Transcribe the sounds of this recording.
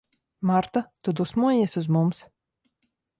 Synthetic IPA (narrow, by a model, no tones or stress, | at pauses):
maɾt̪at̪ud̪usmuɔjɛsuzmums